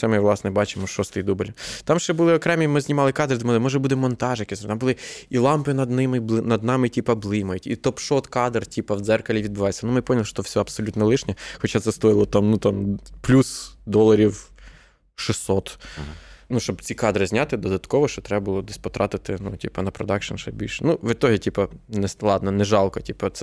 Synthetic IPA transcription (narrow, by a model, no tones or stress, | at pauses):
sɛmɪʋlˠɑsnɛbɑt͡ʃɪmʊʃɔst̪ɪjd̪ubɪlʲt̪ɑmʃɛbʊlˠɪɔkɾɛmʲimɪzʲnʲimɑlˠɪkɑd̪ɾɨd̪ɪmɪlˠɪmɪʒɛbud̪ɪmːɔnt̪ɑʒjkizt̪ambʊlˠɪilˠɑmpɪnɐd̪nɪmɪnɐd̪nɑmɪtʲipɐblˠɪmɐjʊtʲḭt̪ɔpʃɔt̪kɑd̪rtʲipɐwd̪zɛrkɐlʲiʋʲid̪̚bɪʋɑjet͡sʲːɐnumɪpɔnʲlˠɪʃt̪ɔfsʲɔɐpsɔlʲut̪nɐlˠɪʃnʲɛxɔt͡ʃat̪sɛst̪ɔjɪlˠɔt̪ɑmnut̪ɑmplʲusd̪ɔlˠɐɾʲiw | ʃɪsːɔt̪ | nuʃt͡ʃɔbt͡sʲikɑd̪ɾɪzʲnʲat̪ɪd̪ɔd̪ɐt̪kɔʋɔʃɔt̪ɾɛbɐbʊlˠɔd̪ɪsʲpɔt̪ɾɑt̪ɪt̪ɪnutʲipɐnɐpɾɔd̪ɑkʃɐ̰nʃɛ̰bʲilʲʃɛnuʋɪt̪ɔɦʲitʲipɐnɛslˠɑd̪nɔnɛʒɑlˠkɔtʲipɐt̪sɛ